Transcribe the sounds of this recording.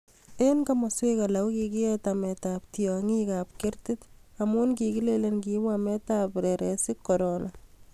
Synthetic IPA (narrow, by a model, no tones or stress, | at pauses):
enkamaswekalawukikiɛtamɛtap̚tiɔŋikap̚keɾtɪtamunkikilelenkimamɛtapɾeɾɛsikːɔɾonʔa